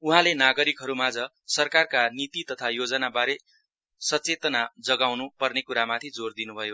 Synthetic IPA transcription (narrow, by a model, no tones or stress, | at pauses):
uɦãlenaɡʌɾikɦʌɾumad͡zʌ | sʌrkarkanit̪it̪ʌt̪ʰajod͡zʌnabaɾe | sʌt͡set̪ʌnad͡zʌɡawnupʌrnekuɾamat̪ʰid͡zord̪inubʱʌjo